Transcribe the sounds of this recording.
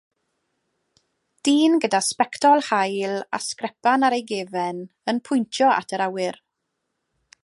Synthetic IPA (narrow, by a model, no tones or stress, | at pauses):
d̥iːnɡədaspɛktʰɔlˠhajlˠa̰skrɛpanaɾejɡeːvɛn | ənpʰʊjntʰjɔa̰tʰəɾawɪr